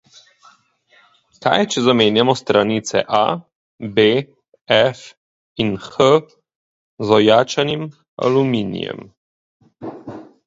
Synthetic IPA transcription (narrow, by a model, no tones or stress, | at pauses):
ka̰jt͡ʃɛzameːnjamɔst̪ɾanit̪sɛ̰ʔa̰ | be | ɛf | inxə | zɔjaːt͡ʃanim | a̰lumiːnḭjɛ̰m